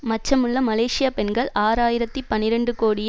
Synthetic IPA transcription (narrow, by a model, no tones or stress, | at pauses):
mɐt͡ʃːɐmɯɭːɐmɐleːʂɪjɐpɛnɡɐɭaːɾaːjɪɾɐt̪ːipɐnːɪɾɐɳɖɯkoːɽɪj